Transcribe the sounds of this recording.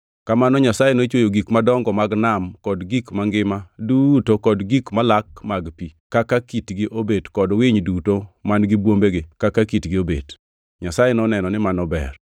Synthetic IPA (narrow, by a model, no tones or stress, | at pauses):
kamanɔɲasajenot͡ʃwojoɡikmadɔŋɡɔmaɡnamkɔdɡikmaŋɡɪmadutokɔdɡikmalakmaɡpikakakitɡɪʔobedkɔdwɪɲdutomanɡɪbwombeɡɪkakakitɡɪobḛd | ɲasajenɔnɛnɔnɪmanɔbɛ̰r